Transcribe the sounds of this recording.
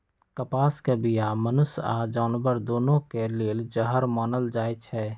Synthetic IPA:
kəpaːskebijamənʊsa̰d͡ʒaːnbəɾd̪oːnõkeleːld͡ʒəɦəɾmaːnəld͡ʒaːet͡ʃʰɛː

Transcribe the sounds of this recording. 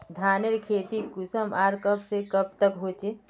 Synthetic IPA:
d̪ʱaːneɾkʰeːt̪ikʊsəmaːɾkəpsekəp̚t̪əkɦoːt͡ʃe

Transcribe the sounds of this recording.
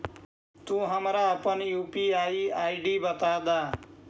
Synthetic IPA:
t̪ũːɦəmɾaəpənjuːpiːaːiːaːiɖiːbət̪aːd̪aː

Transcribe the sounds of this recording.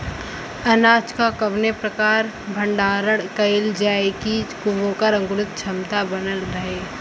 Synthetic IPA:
ɐnaːt͡ʃkakəbnepɾɐkaːɾ | bʱə̃ɳɖaːɾəɽkɐɪld͡ʒaːekikʊʋoːkəɾə̃ŋɡʊɾʊt̪̚t͡ʃʰɐmt̪abɐnəlɾɐɦeː

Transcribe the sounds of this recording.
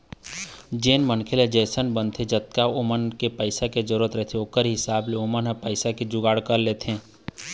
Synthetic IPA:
d͡ʒeːnmənkʰeled͡ʒɛːsənbənt̪ʰed͡ʒət̪̚kaʊmənkepəɪsakezəɾuːɾət̪ɾɛt̪ʰeoːkəɾɦɪsaːbleomənɦəpəɪsaked͡ʒʊɡaːɽkəɾleːt̪ẽː

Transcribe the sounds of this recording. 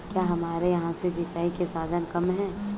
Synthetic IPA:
kjaːɦɐmaːɾejɐɦãsesɪt͡ʃaːikesaːd̪ʱənkɐmɦɛ̃ː

